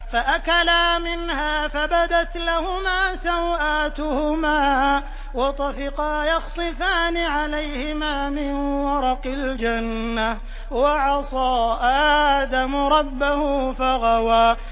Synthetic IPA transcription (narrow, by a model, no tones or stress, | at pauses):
faʔakalaːmɪnhaːfabad̪at̪lahʊmaːsawʔaːt̪ʊhʊmaː | wɑt̪ˤɑfɪqɑːjɑɣsˤɨfaːnɪʕalajhɪmaːmɪnwɑɾˤɑqɑld͡ʒanːa | wɑʕɑsˤɑːʔaad̪amʊɾˤɑbːahʊfaɣɑwaː